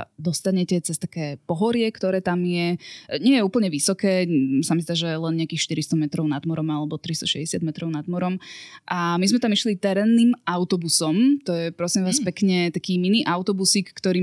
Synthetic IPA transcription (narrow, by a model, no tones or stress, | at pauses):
d̪ɔst̪aɲɛcɛt͡sɛst̪ḁkɛːpɔɦɔɾɪɛkt̪ɔɾɛːt̪amjɛɲɪɛjɛuːpl̩ɲɛʋisɔkɛːsamizd̪aːʒɛlɛnɲɪakiːxʃt̪iɾist̪ɔmɛt̪ɾɔʊnad̪mɔɾɔmalɛbɔt̪ɾist̪ɔʃɛɟɛsɪad̪mɛt̪ɾɔʊnad̪mɔɾɔmʔamizmɛt̪amiʃlit̪ɛɾɛːnːiːmaʊt̪ɔbusɔmt̪ɔjɛpɾɔsimʋaːspɛkɲɛt̪akiːminiːʔaʊt̪ɔbusiːkːt̪ɔɾiː